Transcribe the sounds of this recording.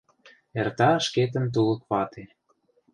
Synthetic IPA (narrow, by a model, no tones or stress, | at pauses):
ert̪ɑəʃket̪̬ə̆nt̪̬ulə̆kβɑt̪ʰe